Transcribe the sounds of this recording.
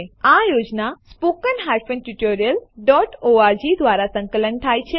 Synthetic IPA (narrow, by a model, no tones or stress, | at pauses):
ajod͡ʑnaspokənɦaɾfənʈuʈoɾijəlɖɔʈoad͡ʑid̪ʋaɾasə̃ŋkələnt̪ʰajt͡ɕʰe